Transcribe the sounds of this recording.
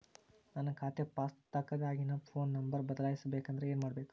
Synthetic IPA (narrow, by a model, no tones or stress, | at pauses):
nanɐkʰaːt̪epaːst̪ɐkːɐd̪aːɡinɐpʰo̞ːnːɐmbɐɾbɐd̪ɐlaːjisɐbeːkɐnd̪ɐɾeeːnmaːɽɐbe̞ːku̥